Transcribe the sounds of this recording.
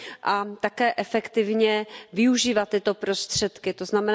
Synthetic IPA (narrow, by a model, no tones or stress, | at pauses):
ʔat̪akɛːʔɛfɛkt̪ɪvɲɛvɪuʒiːvat̪ːɪt̪o̞pɾo̞st̪r̝̥ɛt̪kɪt̪oznamɛn